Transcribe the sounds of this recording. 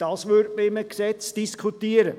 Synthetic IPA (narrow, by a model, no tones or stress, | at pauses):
d̥ɑːsʋøɾdməɪməksɛt͡sd̥iskʰutiəɾə